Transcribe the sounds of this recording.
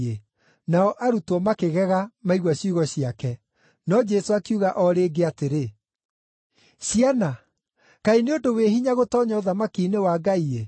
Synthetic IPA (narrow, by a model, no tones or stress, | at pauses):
e | naɔʔaɾutwɔmakeɣɛɣamaiɣwaɕjuɣɔɕiakɛ | nɔd͡ʒɛsoakeuɣaʔɔɾeːɡeateɾe | ɕiana | kaineondoweɦiɲaɣotɔːɲɔoðamakinewaːɡaie